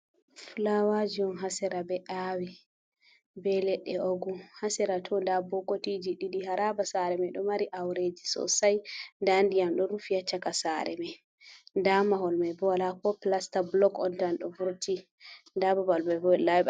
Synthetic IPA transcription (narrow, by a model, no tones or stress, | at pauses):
fulawad͡ʒiɔnɦasɛɾabɛʔawi | bɛlɛɗːɛoɡuhasɛɾatʰɔndabɔkotid͡ʒiɗiɗiɦaɾabasaɾɛmɛɗɔmaɾiʔawɾed͡ʒisɔ̰sajndandijamɗɔɾufijat͡ʃːakasaɾɛ̰mɛ | ndamaɦɔlmajbɔwalakɔplastablɔkɔndanɗɔvuɾti | ndababalmabɔlawɛ